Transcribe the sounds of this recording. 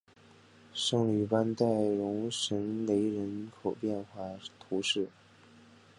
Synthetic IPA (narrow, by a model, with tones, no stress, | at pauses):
ʂɤ˥˩ŋly˨˩pa˥nt̪a˥˩ɪɻʊ˧˥ŋʂə˧˥nle˧˥ɪɻə˧˥nkʰo˨˩ʊpjɛ˥˧nxwa˥˩t̪ʰu˧˥ʂɻ̩˥˩